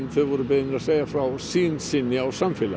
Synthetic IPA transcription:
nθɪðvɔɾʏbɪðnɪɾaðsejafɾawsiːnsɪnːɪawsamfɪla̰

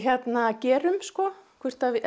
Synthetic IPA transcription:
çjɛt̪nacɛːɾʏmskɔkʰvɛr̥t̪av

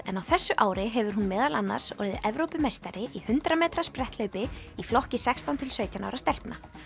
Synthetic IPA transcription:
ɛ̰nawθɛsːʏʔaːwɾɪɦɛvʏɾ̥ɦunmɛːðalanːa̰ɾ̥sɔ̰ɾðɪ̰ʔɛvɾowpʏmeːjst̪aɾɪʔihʏnt̪ɾamɛːt̪ɾaspɾɛht̪lœːɥpɪiflɔhcɪsɛkst̪ant̪ʰɪlsœːɥt̪jana̰wɾast̪ɛl̥pna

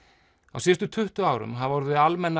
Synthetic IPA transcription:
a̰wsiːst̪ʏt̪ʰʏht̪ʏaːwɾʏ̰mɦaðvɔɾðʏalmɛnːa

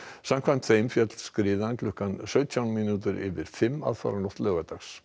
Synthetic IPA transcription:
sam̥kʰvan̥t̪θejmfjœt̪l̥skɾɪːðanklʏhkansœːɥt̪ʰjawnminut̪ʏɾɪ̰vɪɾ̥fɪmːa̰ðfa̰ɾanɔht̪lœːɣat̪axs

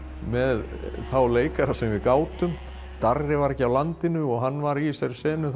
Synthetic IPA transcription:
mɛðθawleːjkaɾasɛmvɪðkaːwt̪ʏm | t̪arːɪvaɾɛhcɪawlant̪ɪnʏɔɣɦanːvaɾisaɾɪsɛːnʏ

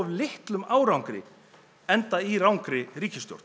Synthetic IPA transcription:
vlɪht̪lʏmaːwɾawŋkɾɪ̰ | ɛnt̪aiɾawŋkɾɪɾiːcɪst̪jo̰wɾt̪n

